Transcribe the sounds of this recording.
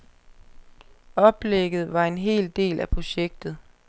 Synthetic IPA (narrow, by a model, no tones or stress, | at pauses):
ɒ̽b̥leɡ̥ð̞̩ˠʋɑ̈e̝nɦe̝̰ːld̥e̝̰ːlʔæpʰʁo̝ɕeɡ̥̚d̥ð̩ˠ